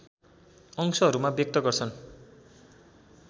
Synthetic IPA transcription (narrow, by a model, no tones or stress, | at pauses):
ʌŋsʌɦʌɾumabjʌk̚t̪ʌɡʌrt͡sʰʌn